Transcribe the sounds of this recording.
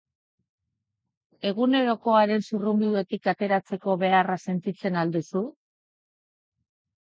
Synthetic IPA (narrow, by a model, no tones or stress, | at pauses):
e̞ɣ̞une̞ɾo̞ko̞aɾe̞nsurumbiðue̞t̪ikat̪e̞ɾat͡se̞ko̞βe̞arase̞nt̪it͡se̞nald̪usu